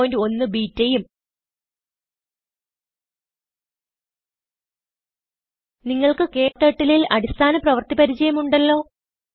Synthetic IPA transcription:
ndio̞nːɨbiːtːejum | niŋːɐɭkɨke̞ːt̪ːeʈːililɐ̰ɽist̪ʰaːnɐprɐʋɐrt̪ipɐɾit͡ɕɐjɐmuɳɖɐlːo̞ː

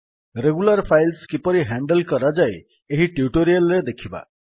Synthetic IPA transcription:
reɡularpʰajlskipʌɾiɦaɳɖʌlkʌɾʌd͡zaj | eɦiʈjuʈoɾijʌlːed̪ekʰiba̰

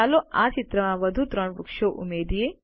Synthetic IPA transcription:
aloat͡ʃɪt̪ɾəmãʋəd̪ʱut̪ɾəɳʋukʃoʔṵmed̪ije

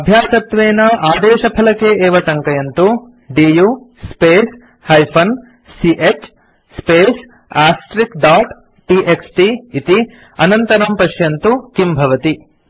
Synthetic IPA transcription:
ɐbʱjaːsɐt̪ʋeːnɐʔaːd̪eːʃɐpʰɐlɐkeʔeːʋɐʈɐŋkɐjɐnt̪u | ɖiːju | speːs | hɐjpʰɐn | siʔet͡ʃ | speːs | aːsʈɾikɖaːʈ | ʈiʔeksʈiit̪i | ɐnɐnt̪ɐɾɐmpɐʃjɐnt̪ukimbʱɐʋɐt̪i

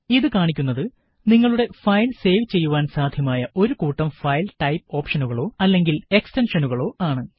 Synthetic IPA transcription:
iðɨkaːɳikʲːunːɐðɨ | niŋːɐɭuɽe̞fɐjlse̞ːʋt͡ɕe̞jːuʋaːnsaːd̪ʱjɐmaːjɐʔo̞ɾukuːʈːɐmfɐjlʈɐjp̚o̞ːpʂɐnuɣɐɭo̞ːɐlːe̞ŋɡile̞kstenʂɐnuɣɐɭo̞ːaːɳɨ

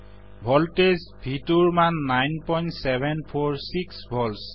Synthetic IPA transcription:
bʱɔltes | bʱituɹmanːajnpɔjntsɛbʱɛnpʰɔɹsiksbʱɔls

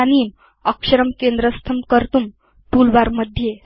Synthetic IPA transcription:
aniːm | əkʂəɾəmkend̪ɾəst̪ʰəmkəɾt̪um | t̪ulʋaɾməd̪ʱje

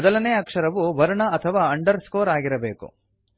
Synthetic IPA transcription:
d̪ɐlɐneːɐkʂɐɾɐʋuʋɐɾuɳɐɐt̪ʰɐʋaːɐɳɖɐɾskoːɾaːɡiɾɐbe̞ːkṵ

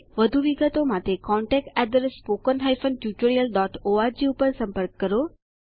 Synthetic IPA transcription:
ʋəd̪ʱuʋiɡət̪omãt̪ekɔɳʈɛk̚ʈɛɖ̪ɾəspokənɦajfənʈjut͡ʃoɾijəlɖɔʈoaɾd͡ʒiupəɾsə̃mpəɾk̚ːəɾo

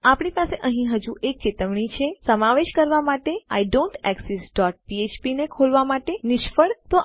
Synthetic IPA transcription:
apɳipaseʔəɦĩɦəd͡ʒuʔek̚t͡ʃɪt̪əʋɳ̃it͡ʃʰesəmaʋeʃkəɾʋamaʈea̰jɖõɳʈɛksesɖɔʈ̚piet͡ʃpinekʰolʋamaʈenɪʃfəɽt̪o

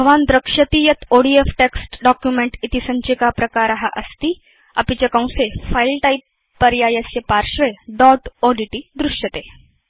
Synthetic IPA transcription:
bʱəʋand̪ɾəkʂət̪iːjɐt̪ʰoɽiefʈeksʈɖɔkjumeɳʈit̪isə̃ɲt͡ɕikapɾɐkaɾaɦaʔəst̪iː | a̰pit͡ɕakãw̃sefailʈaipː | əɾjajəsjəpaɾɕʋeɖɔʈoɖiʈiːd̪ɾuʂjət̪e

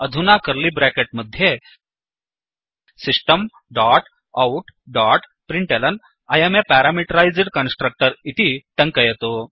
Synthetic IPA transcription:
əd̪ʱunakəɾliːbɾɛkeʈ̚məd̪ʱːje | sisʈəm | ɖaʈ | auʈɖaʈ | pɾiɳʈelən | ajemepæɾamiʈəɾajd͡zɽkənsʈɾək̚ʈəɾit̪it̪ə̃ŋkəjɛt̪o

